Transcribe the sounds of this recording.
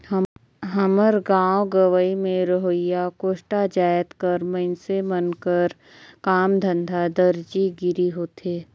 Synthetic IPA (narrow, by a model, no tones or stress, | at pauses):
ɦəməɾɡãːoɡəʋəimẽɾəɦojakoːʃʈad͡ʒaːjət̪kəɾməɪnsemənkəɾ | kaːmd̪ʱə̃nd̪ʱad̪əɾd͡ʒiɡɪɾiɦoːt̪eː